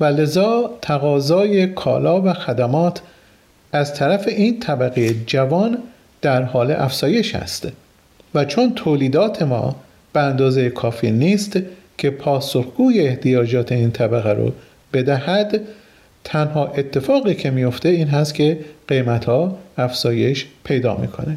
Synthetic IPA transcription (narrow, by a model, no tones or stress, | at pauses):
væle̞zɒːt̪ʰæɣɒːzɒːje̞kʰɒ̰ːlɒːvæxæd̪æmɒːt̪ʰ | æzt̪ʰæɾæfe̞ʔiːnt̪ʰæbæɣejed͡ʒævɒːn | d̪̥æɾhɒːleʔæfz̥ɒːje̞ʃæ̰st̪ | væt͡ʃʰont̪ʰoːliːd̪ɒːt̪ʰe̞mɒ̰ː | b̥eænd̪ɒːzejekʰɒːfiːniːst̪ | cʰe̞pʰɒːso̞xɡ̥uːje̞ːht̪ijɒːd͡ʒɒːt̪ʰe̞iːnt̪ʰæbæɣæɾo̰ | b̥e̞d̪æhæd̪ | t̪ʰænhɒːʔe̞t̪ʰːe̞fɒːɣiːcʰe̞mijo̞ft̪e̞iːnɦæst̪kʲʰe̞ɢ̥e̞jmæt̪hɒːæfz̥ɒːje̞ʃpʰe̞jd̪ɒ̰ːmḭːkʰo̞̰ne